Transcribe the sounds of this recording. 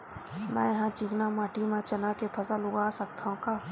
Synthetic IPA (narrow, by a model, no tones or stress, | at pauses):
mɛ̰̃ːjɐɦãt͡ʃiknamaːʈʰimãt͡ʃɐnakepʰɐsalʊɡaːsɐk̚t̪aɦõkaː